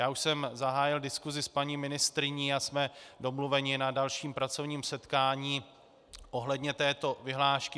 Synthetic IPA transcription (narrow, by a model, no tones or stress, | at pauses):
jaːuʃsɛmzaɦaːjɪldɪskuzɪspaɲiːmɪnɪst̪ɾɪɲiːasmɛdo̞mluvɛɲɪnadalʃiːmpɾat͡so̞vɲiːmsɛt̪kaːɲiː | ʔoɦlɛdɲɛt̪ɛːt̪o̞vɪɦlaːʃkɪ